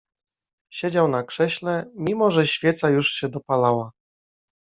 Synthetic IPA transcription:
ɕed͡ʑawnakʂɛɕlɛmʲimɔʐɛɕfʲjɛt̪sajuʂɕɛd̪ɔpalawa

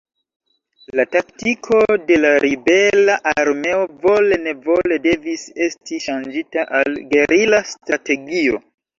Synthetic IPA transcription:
lataktikʰo̞de̞laɾibe̞laʔaɾme̞ovo̞le̞ne̞vo̞le̞de̞vise̞stiʃand͡ʒitaʔalɡe̞ɾilastɾate̞ɡio̞̰

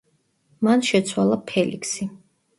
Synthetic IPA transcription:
manʃɛt̪sʰwalˠapʰɛlḭkʰsi

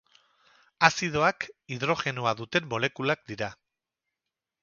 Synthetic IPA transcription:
asið̞o̞akiðɾo̞xe̞noaðut̪e̞mbo̞le̞kulak̚d̪iɾa

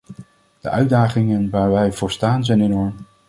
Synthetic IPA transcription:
d̥ə̰ʔœɥdaːχɪŋənʋaːɹʋɛjvʊːɹstaːnzɛjnenɔɹm

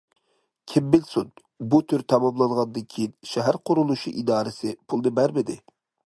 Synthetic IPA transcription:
kʲʰɪmbɪlsud̪̚ | but̪ʰyɾt̪ʰɑmɑmlˠɑnʁɑnd̪ɪkʲʰiʃɛɦæɾqʰʊɾulˠuʃṵʔid̪ɑːɾɪsɪpʰulˠd̪ɨbæɾmɪd̪ɪ

